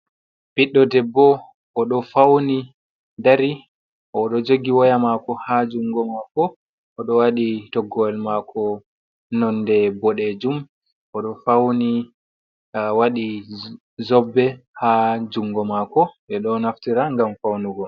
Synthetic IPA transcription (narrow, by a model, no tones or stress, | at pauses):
piɗːɔdɛbːɔ | ʔɔɗɔfawni | daɾi | ʔɔɗɔd͡ʒoɡiwɔjamakɔhad͡ʒuŋɡɔmakɔː | ɗɔwaɗitɔɡɔɛlmakʰɔ | nɔndɛbɔɗɛd͡ʒum | ʔɔɗɔfawni | waɗi | zɔbːɛhad͡ʒuŋɡɔmakɔɗɛɗɔnaftiɾaŋɡamfawnuɡɔ